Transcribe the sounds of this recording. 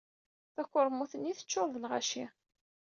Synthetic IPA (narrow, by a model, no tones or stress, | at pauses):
θækʷːʊɾˤmuθənːiθə̥t͡ʃːoɾˤðlʁa̰ʃi